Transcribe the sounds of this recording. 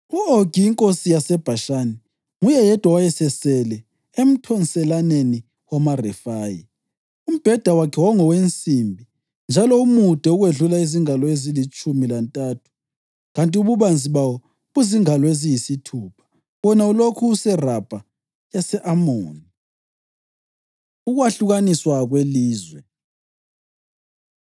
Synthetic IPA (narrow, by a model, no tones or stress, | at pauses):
uoɡ̥ʱiːŋkʼosijasɛb̥ʱaʃaːnɛ | ŋujɛjɛd̥ʱwawajɛsɛsɛlɛ | em̩tʰɔnsɛlaneni | wamarɛfaːjḭ | um̩b̥ʱɛd̥ʱawakʰɛwaŋɔwent͡sʼimbʱi | nd͡ʒʱalɔumud̥ʱɛuɣweɮulaiziŋalɔezilit͡ʃʼumilantʼatʰu̥ | ɣantʼiuβuβand͡zʱiβawɔ | ɣuziŋalɔezijisitʰuːpʰḁ | βɔnaulokʰuːsɛrab̥ʱa | jasɛʔamoːni | uɣwaɬuɣaniswaɣweliːzwɛ